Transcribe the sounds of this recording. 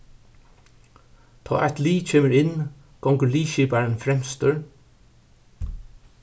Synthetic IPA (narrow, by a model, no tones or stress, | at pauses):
t̪ʰɔ̰ːʔɛt̪liːt͡ʃʰeːməɹɪn | ɡ̥ɔŋkəɹliːʃiːpaɹənfɾɛmst̪ʏɹ